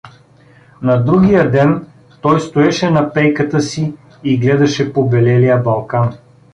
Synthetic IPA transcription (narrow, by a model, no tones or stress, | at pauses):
nɐd̪ɾuɡʲijəd̪ɛn | t̪ɔjst̪oɛʃɛnɐpɛjkət̪əsiː | ɡlɛd̪ɐʃɛpobɛlɛlijəbɐlˠkan